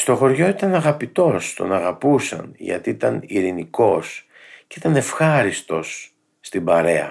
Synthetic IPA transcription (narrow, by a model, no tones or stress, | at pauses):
st̪o̞xo̞ɾʝo̞it̪ɐnɐɣɐpit̪o̞st̪o̞̰nɐɣɐpusɐ̰nʝɐ̰t̪iit̪ɐniɾiniko̞s | ceit̪ɐne̞fxɐɾist̪o̞sː | t̪ibɐɾe̞ɐ̰